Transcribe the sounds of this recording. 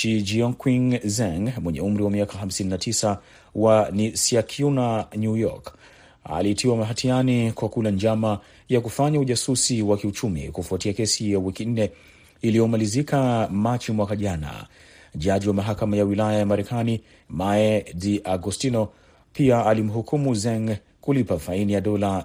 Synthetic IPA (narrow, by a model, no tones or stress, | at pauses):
id͡ʒiɔŋkwiŋzɛŋmwɛɲɛum̩ɾiwamiakaɦam̩sininatʰisa | wanisiakʰunaɲujɔ̰k | a̰liːtʰiwamaɦatʰianikwakuland͡ʒama | jakufaɲauʄasusiwakiut͡ʃumḭkufuatiakɛsijawikin̩nɛ | ilijɔmalizikamat͡ʃimwakaʄana̰ | ʄaʄiwamaɦakamajawilajajamaɾɛkani | maɛdiʔaɡustinɔ | piaːlim̩ɦukʰumuzɛŋɡ | kulipafainijaɗɔla